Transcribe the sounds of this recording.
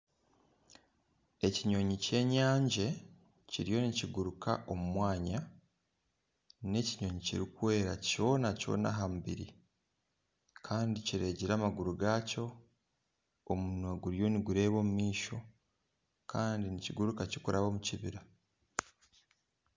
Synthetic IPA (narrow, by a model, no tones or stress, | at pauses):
e̞ciɲo̞ɲice̞ːɲaːɲɟe | ciɾijo̞niciɡuɾuka̰ʔo̞mumwaːɲa | ne̞ciɲo̞ɲicḭɾikuwe̞ːɾa̰co̞ːnaco̞̰ːna̰ɦamubḭɾḭ | kʰaːndiciɾe̞ːɟiɾaːmaɡuɾuɡaːco̞ | omunweɡuɾjo̞niɡuɾe̞ːβo̞ːmumiːʃo̞ | kʰaːndiniciɡuɾukacikuɾʔaβo̞muciβiɾa